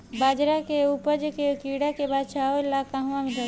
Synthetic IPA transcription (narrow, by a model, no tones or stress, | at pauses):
baːd͡ʒɾakeupəd͡ʒkekiːɽakebaːd̪̚t͡ʃʰaolakãɦʋãmid̪a